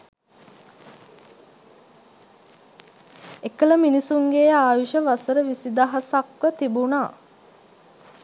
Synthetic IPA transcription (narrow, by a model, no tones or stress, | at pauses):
ekələminisuŋɡeːaːʋiʃəʋasəɾəʋisid̪aɦasakʋət̪ibunaː